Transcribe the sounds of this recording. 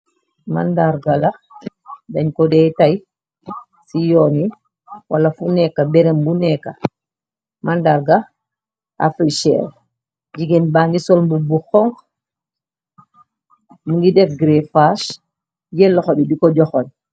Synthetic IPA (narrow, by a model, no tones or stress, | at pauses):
ma̰ndaɾɡala | daɲkɔdɛtaj | sijɔːni | walafunɛkːabɛɾembunɛkːa | mandaɾɡa | a̰fɾiʃɛ̰ɾ | d͡ʒiɡɛnbaːŋɡisɔlmbubuxɔŋk | muŋɡidɛfɡɾefaʃ | jɛlːɔxobidikɔɟɔxɔn